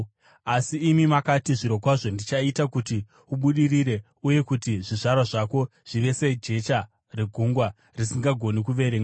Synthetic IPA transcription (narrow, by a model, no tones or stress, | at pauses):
asiːmimakatiʐiɾo̞kwaʐo̞ndit͡ʃaitakuti | uɓuɗiriɾe̞ | uje̞kutiʐiʐarwaʐako̞ʐ̥iʋe̞seid͡ʒe̞t͡ʃa | reɡʱuŋɡwa | risiŋɡaɡʱo̞nikuʋe̞ɾeːŋa